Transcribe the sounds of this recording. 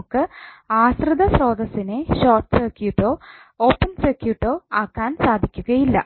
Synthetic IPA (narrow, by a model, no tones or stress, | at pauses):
kːɨaːsrɨd̪ɐsro̞ːd̪ɐsineɕo̞ːrʈɨ̥seːkjuːʈːo̞ː | o̞ːpːɐnsekjuːʈːo̞ːaːkːaːnsaːd̪ʱikʲːuɣɐjilːɐ̰